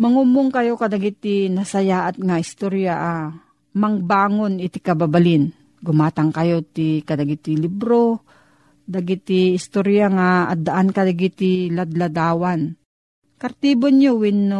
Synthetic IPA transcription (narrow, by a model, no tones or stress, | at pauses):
mɐŋumʊŋkɐjokɐd̪ɐɡɪt̪ɪnasɐjaʔat̪̚ŋaɪst̪oɾjaʔa | mɐŋbaːŋonɪt̪ɪkɐbabalɪn | ɡʊmaːt̪ɐŋkɐjot̪ikɐd̪aɡɪt̪ɪlibɾo | d̪aɡɪt̪ɪɪst̪oɾjaŋaad̪aʔankɐd̪aɡɪt̪ɪlad̪lad̪aːwan | kɐɾt̪iːbonɲowɪnːo